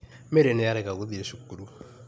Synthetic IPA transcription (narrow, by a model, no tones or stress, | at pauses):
meɾenejaɾɛkaɡuðieʃukːuɾu